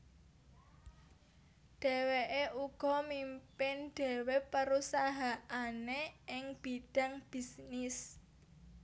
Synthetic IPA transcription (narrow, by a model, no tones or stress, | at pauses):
ɖ̥e̤weʔeʔuɡ̥ɔ̤mimpɪnɖ̥e̤wepəɾusaɦaaneʔɪŋb̥iɖ̥a̤ŋb̥isnɪs